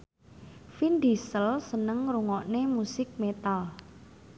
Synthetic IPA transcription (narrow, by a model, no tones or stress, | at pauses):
find̪isəlsənəŋɾuŋɔʔnemusɪk̚met̪al